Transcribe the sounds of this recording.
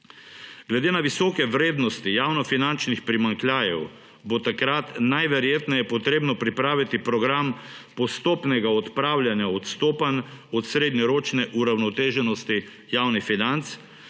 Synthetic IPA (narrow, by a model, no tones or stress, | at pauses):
ɡ̥lɛd̪eːnaʋisɔːkɛʋɾeːd̪nɔst̪ijawnɔfinant͡ʃnixpɾimaŋklʲjaːjɛw | bot̪akɾat̪najʋɛɾjeːt̪nɛjɛpɔt̪ɾeːbnɔpɾipɾaːʋit̪ipɾɔɡɾampɔst̪oːpnɛɡaɔt̪pɾaːwljanjaɔt̪st̪oːpanɔt̪sɾeːd̪nɔɾoːt͡ʃnɛʔuɾawnɔt̪eːʒɛnɔst̪i | jaːwnifinant̪s